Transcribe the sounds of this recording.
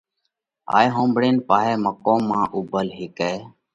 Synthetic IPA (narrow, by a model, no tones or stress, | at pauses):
a̰ːjɦõːmbɽeːnpaːɦɛːməkoːmːãːʔʊbʱəlɦɪkeː